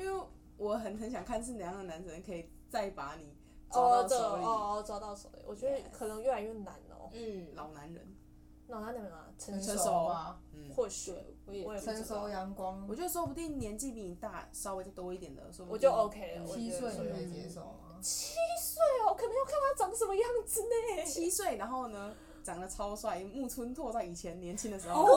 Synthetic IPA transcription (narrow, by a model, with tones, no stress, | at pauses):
wɔ˨˩ɦə˨˩nnə˧˥ŋɕ̬jɑ˨˩ŋkʰa˥˧nʂ̬ɻ̩˥˩ljɑ˧˥ŋd̪ə˨na˧˦nsə˧˦nkʰɤ˧˦˥i˨˩ | t͡sa˥˩ɪpa˧˥ni˨˩˦ | t͡sɔ˥ʊ˧˥˧ʊə˩˧ɔ˥˧˨t͡sɑ˥˧ʊt̪ɑ˥˩ʊsɔ̰˧˩ʊ̰˨˧˩wʔɔ˨˩t͡ɕɥɛ˧˥kʰɤ˨˩nə˧˦ŋjo˥a˨˩jɔ˥˩ŋna̰˧˦nɔ̰˧˩˥lɑ˨˩ʊna˧˦nɻə̰˧˦n | lɑ˨˩ʊna˧˦nə˨˩nə˧˩nma̰˧t͡sʰə˧˥˧ə˧˥o˨˩˦ma˧˥˩xwɔ˥˧˩ɕwɔ˧˦jɛ˨˩ə˧˦nso˧˥ʊjɑ˧˥ŋkwɑ˦˥ŋɔ˨˩t͡ɕjo˥˧˩so˥pu˧t̪i˥˩ŋnjɛ˧˦˥nt͡ɕi˥˧pi˥˩ŋi˨˩t̪a̰˥˩sɑ˥e˧˥ɪt̪a˥˩ɪt̪o˥ʊi˥˩t̪jɛ˨˩nd̪ə̰˦so˥wɔ˨˩t͡ɕjo˥˩ʊo˧˥ʊkʰe˥ɪlə˨wɔ˨˩i˦˥swe˥˩ɪ˨˩e˥˩t͡ɕɛ˧˦˥ʂo˨˩ʊa˩t͡ɕʰi˦˥swe˥˩ɪɔ˨˧kʰɤ˨˩nə˧˥ŋjo˥˩ʊa˥˨nt̪a˥ʈ͡ʂɑ˨˥ŋʂə˧˦mə˧jɑ˥˩ŋd͡z̩˨˩ne˨˩t͡ɕʰi˥swe˥˩ɪna˧˥nxo˥˩ʊnə˩ | ʈ͡ʂɑ˨˩ŋlə˨˦t͡sʰɑ˥ʊ˧swa˥˩˥mu˥˧t͡sʰu˥nt̪ʰwɔ˥˧t͡sa˥˩ɪi˨˩t͡ɕʰjɛ˧˦nnjɛ˧˥nt͡ɕʰi˥nd̪ə˨ʂɻ̩˧˥xo˥˧˥